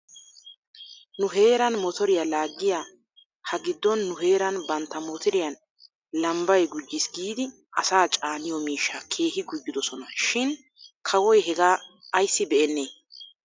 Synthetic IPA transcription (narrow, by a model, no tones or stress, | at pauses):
nʊɦe̞ːɾɐnmɔt̪ɔɾɪjalaːɡːɪja | hɐɡɪd̪ːɔnːʊɦe̞ːɾɐnbɐnt̪ːɐmɔt̪ɪɾɪjɐn | lɐmbɐjɡʊd͡ʒːɪsɡiːd̪ɪ | ʔɐsaːt͡ʃʼaːnɪjɔmiːʃːakʰe̞ːhɪɡʊd͡ʒːɪd̪ɔsɔnɐʃɪn | kʰɐwɔjɦɛɡaː | ɐjsːɪbɛʔɛnːeː